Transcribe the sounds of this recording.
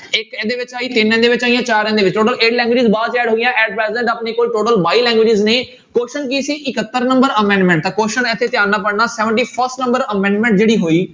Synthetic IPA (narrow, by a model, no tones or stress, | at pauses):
ɪkɛ̃ːd̪eːʋɪt͡ʃaːiːt̪ɪnɛ̃ːd̪eːʋɪt͡ʃaːijãːt͡ʃaːɾɛ̃ːnd̪eːʋɪt͡ʃʈoːʈəleːʈlɛ̃ːŋɡwɪːd͡ʒɪzbaːd̪t͡ʃɛːɖɦoːijãːʔɛːɖ̚pɾɛːzɛ̃ɳʈaːpneːkoːlʈoːʈəlbaːiːlɛ̃ːŋɡʋeːd͡ʒɪzneː | koːʃənk̬iːsiːʔɪkət̪ːəɾnəmbəɾəmɛ̃ːɳɖmɛ̃ɳʈ̚t̪ãːkoːʃənɪt̪ʰːeːt̪ɪaːnːaːpəɽnaːsɛːʋəɳʈiːpʰəɾsʈnə̃mbəɾəmɛ̃ːɳɖmɛ̃ːɳʈd͡ʒeːɽiːɦoːiː